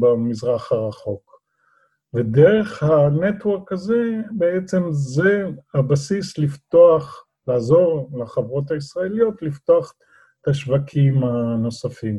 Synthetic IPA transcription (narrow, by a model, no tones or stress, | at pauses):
bamizʁaχhaʁaχo̞k | vedeʁe̞χhanet̪woʁkaze̞beet͡se̞mzehabasislift̪oaχ | laːzo̞ʁlaχavʁo̞t̪haisʁaelijo̞t̪lift̪oaχ | t̪aʃvakʰimano̞safim